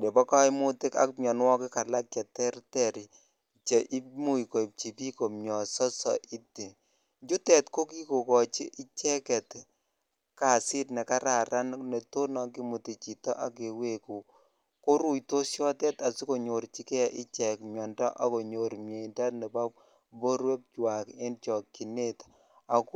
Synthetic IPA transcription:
de˨bɔ˦ka˦ɪ˦mʊ˦tɪ˦ka̰˦kmjɔ˨nwɔ˦kɪ˦ka˨la˦kja˨tɛ˦ɾtɛ˦˨ɾi˨ | t͡ʃe˨ʔi˦mu˦jko˨i˨p̚t͡ʃi˨pi˦ko˨mjɔ˨sɔ˦sɔ̰˨ʔi˦tːi˨ | ɲd͡ʒu˦tɛ˨tko˦ki˦ko˨kɔ˨t͡ʃi˦ʔɪ˦t͡ʃɛ˦kɛ˨t | ka˨sɪ˦tnɛ˨ka˦ɾa˨ɾa˦nnɛ˨to˦nɔ˨ki˦mu˨ti˨t͡ʃi˨tɔ̰˦ʔa˦k̬e˨we˨ku˨ | ko˦ɾu˦jto˦sjɔ˦tɛ˦ta˨si˦ko˨ɲo˨ɾt͡ʃi˦kɛ˦˨ʔɪ˦t͡ʃɛ˨kmjɔ˨ndɔ˦ʔa˨ko˨ɲo˨ɾmje˨i˨nda˦tnɛ˨ba˦p̚ | bo˦ɾwe˦p̚t͡ʃwa˨ke˦nt͡ʃɔ˨ki˨ne˦t | a˨k

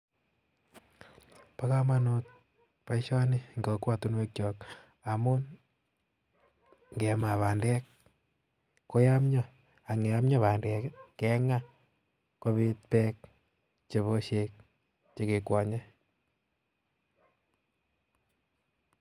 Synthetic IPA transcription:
pa˦ka˦ma˦no˧t̚ | pa˦iʃɔ˦ni˦ŋɡo˨kwa˦tu˦nwe˦k̚t͡ʃɔ˨k | a˨mʊ˦n | ŋɡɛ˨ma˨βaː˨ndɛ˦k | kːo˦ja˦mɲɔ˦ | a˨ŋe˨ja˦mɲɔ˦βa˨ndɛ˨kkɛ˦ŋa˦ | ko˦βi˦t̚pɛ˦k̚ | t͡ʃe˨βo˦ʃe˦k̚ | t͡ʃe˦ke˨kwɔ˨ɲɛ˦

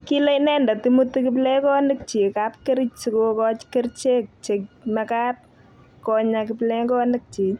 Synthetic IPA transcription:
ki˦le˦jnɛ˦nda˨timuti˦kɪ˦plɛ˦kɔ˦nɪ˦k̚t͡ʃi˨kapke˦ɾit͡ʃt͡ʃikokɔt͡ʃke˦ɾt͡ʃe˦k̚t͡ʃe˨kmaka˦t̚ | kɔɲa˨kɪplɛ˦ŋkɔ˦nɪ˦k̚t͡ʃi˨

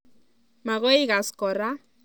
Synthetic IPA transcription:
ma˨ɣo˦jɣa˨sko˨ɾa˦

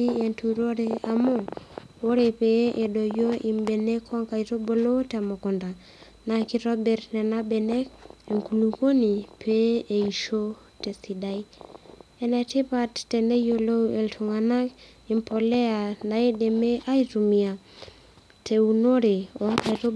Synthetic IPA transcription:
i˦e˨ntu˨ɾo˦ɾe˦a˨mo˦ | o˦ɾe˨peʔe˨do˨jo˦ʔi˨mbe˨ne˦kʰo˦ŋka˨ito˦bo˨lo˦tɛ˨mo˨kɔ˨nda˨ | na˨ki˦ɾɔ˦bɛ˨rnɛ˨na˦be˨ne˦ke˨ŋku˨lu˨ko˦ni˨pʰe˦e˨i˨ʃo˦ | te˨si˨da˦i | ɛ˨nɛ˨ti˦pa˦tːɛ˨ne˦jo˨lo˦e˨ltʰu˨ŋa˨na˦k | i˨mpʰo˨lɛ˦a˨na˨i˦de˨me˦ʔa˦itu˨mia˨ | tʰe˨u˨no˦ɾe˨o˦ŋka˨i˨to˦

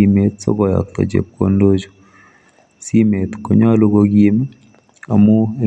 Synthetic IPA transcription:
i˨me˨t̪so̰˦kɔ˨jɔ̰˨t̪ːɔ̰˨t͡ʃḛ˨p̚ko˨ndo˦t͡ʃo̥˨ | si˦me˨t̪ko˨ɲɔ˦lo˦ko˧ki˦m˦ | a̰˨mu˦e˦

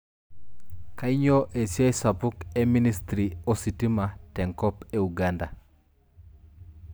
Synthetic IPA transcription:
ka˦i˦ɲo˦ʔe˨sja˦sa˨pʊ˦ke˦mi˦nistɾi˨o˨si˨ti˦ma˨tɛ˨ŋkɔ˦peuɡanda˨

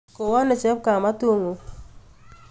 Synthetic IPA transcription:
ko˨wɔ˦nɪ˨t͡ʃɛ˦p̚ka˨ma˦to˦ŋo˨

